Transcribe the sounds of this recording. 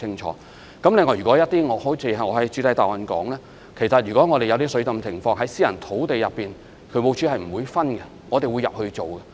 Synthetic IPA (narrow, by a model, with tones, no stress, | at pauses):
ɪ˥ŋt͡ʃʰɔ̰ː˨˦ | kɐ˨˥mlɪ˨ŋːɔː˨˩jyː˨kɔ˨˧˥jɐ˥t̪iː˥ŋɔː˨˧ho˨˥wt͡sʰiː˨˧ɐ˨˧ŋɔː˨˧hɐ˨jt͡ʃy˨˧t̪ɐ˨˧˥jt̪aː˨˩wɐ˨nkɔː˨˥ŋlɛː˥ | kʰe˨˩sɐ˨t̚jy˨kɔː˨˥ŋɔː˨˧ɾe˨jɐ˨˧wt̪iː˥sɵ˨˥t͡sɐ˨mt͡sʰɪ˨˩ŋfɔː˧ŋɦɐ˨˥jsiː˥jɐ˨˩nt̪ʰo˨˥wt̪e˨jɐ˨pːiː˨n | kʰɵ˨˧ɥmo˨˧wt͡sʰy˨˥hɐ˨jm̩˨˩wuː˨˧jfɐ˥nɡɛ˧ | ŋɔː˨˧t̪e˨jwu˨˧jɐ˨p̚hɵ˧t͡ʃo˨wɡɛ˧